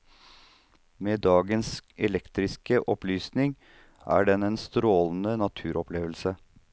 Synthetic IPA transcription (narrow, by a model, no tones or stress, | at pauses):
meːd̪ɑːɡənsɛlɛkt̪ɾɪskəʔɔplyːsnɪŋ | æ̰ːɖɛnɛːnst̪ɾoːln̩ənɑt̪ʰʉːɾʔɔpleːʋəl̩sə